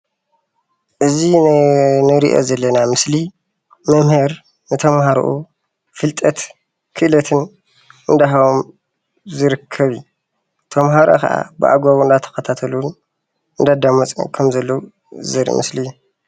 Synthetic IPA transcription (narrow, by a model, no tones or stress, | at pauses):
ʔɨzi | nɨɾiʔo̰zɐlːɐnamɨsli | mɐmhɐɾ | nɨt̪ʰɐmhaɾɐ̰ʔṵ | fɨlt̪ʼɐt̪ | kʰɨʔlɐt̪ʰɨn | ʔɨnd̪aɦaβom | zɨɾɨkʰːɐβu | t̪ʰɐmɦaɾo̰kʰɐʔa̰bɨʔa̰ɡoβɨnd̪at̪ʰːɐ̥xɐt̪ʰat̪ʰɐlun | ɨnd̪ad̪amɐt͡sʼɨ̰kʰɐmzɐlːɐu | zɐɾḭmɨ̰sliju